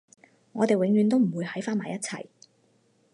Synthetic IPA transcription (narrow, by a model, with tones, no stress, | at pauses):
ŋɔː˨˧t̪e˨jwɪ˨˧˥ŋjyː˨˧nt̪o˥wm̩˨˩wuː˨˧jhɐ˨˥jfaː˥nmaː˨jːɐ˥t̚t͡sʰɐ˨˩j